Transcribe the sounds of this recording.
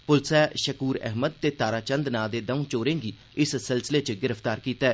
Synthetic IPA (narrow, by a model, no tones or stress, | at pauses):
pʊlsɛːʃəkuːɾɛ̰ɦməd̪̚t̪eːt̪aːɾaːt͡ʃə̃nd̪naːd̪eːd̪əũːt͡ʃoːɾẽːŋɡiː | ɪssɪlsɪleːt͡ʃəɡɪɾəpʰt̪aːɾkiːt̪aɛː